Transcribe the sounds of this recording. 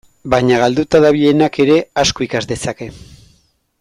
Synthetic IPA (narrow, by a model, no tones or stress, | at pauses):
bajɲaɣ̞ald̪ut̪aðaβie̞nake̞ɾe̞asko̞ikazd̪e̞sake̞